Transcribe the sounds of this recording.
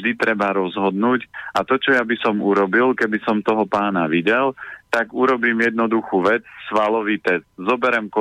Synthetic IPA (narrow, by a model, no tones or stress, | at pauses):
d̪it̪ɾɛbaɾɔzɦɔd̪nuːcʔat̪ɔt͡ʃɔjabisɔmuɾɔbilkɛbisɔmt̪ɔɦɔpaːnaʋiɟɛlt̪aɡuɾɔbiːmjɛd̪nɔd̪uxuːʋɛt͡ssʋalɔʋiːt̪ɛst̪zɔbɛɾɛmkɔ